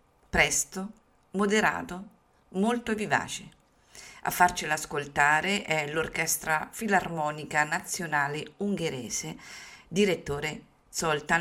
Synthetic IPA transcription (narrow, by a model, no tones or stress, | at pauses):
pɾɛst̪o | mod̪eɾa̰ːt̪o | molt̪oviva̰ːt͡ʃe | a̰fːart͡ʃelaskolt̪aːɾeʔɛlorkɛst̪ɾafilarmɔːnikanat̪sːjonaːleuŋɡeɾɛ̰ːzed̪iɾet̪ːoːɾe | sɔlt̪a